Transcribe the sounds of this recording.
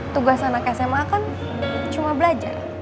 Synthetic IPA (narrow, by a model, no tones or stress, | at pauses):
t̪uɡasanakasemakan | t͡ʃumabəlad͡ʒa̰r